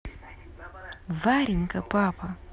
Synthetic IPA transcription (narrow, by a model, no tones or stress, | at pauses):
vaɾiŋ̩kapapa